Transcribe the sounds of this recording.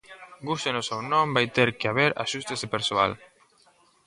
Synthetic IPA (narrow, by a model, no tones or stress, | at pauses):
ɡust̪enosewnõmbajt̪eɾkeaβeɾa̰ʃust̪ezðepeɾsoa̰l